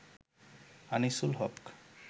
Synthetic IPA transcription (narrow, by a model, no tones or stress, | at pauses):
anisulɦɔpk